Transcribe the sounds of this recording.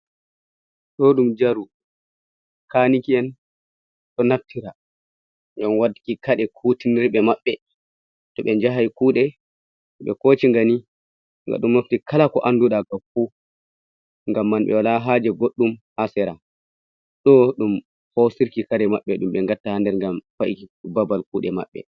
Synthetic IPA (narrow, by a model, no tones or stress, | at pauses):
ɗɔɗumd͡ʒaɾu | kaːnikiɛn | ɗɔnaftʰiɾa | ɡanwadikikaɗɛkʰutiniɾɓɛmaɓːɛ | tɔɓɛɲd͡ʒaɦajkuːɗɛ | ɓɛ̰kot͡ʃiŋɡani | ŋɡa̰ɗumnaftikʰalakɔʔanduɗaɡafu | ŋɡamːanɓɛ̰walaɦad͡ʒɛɡoɗːumhasɛɾa | ɗɔɗum | hosiɾkikaɾɛmaɓːɛɗumɓɛŋɡatːahandɛɾŋɡamfaʔikibabalkuːɗɛma̰ɓːɛ̰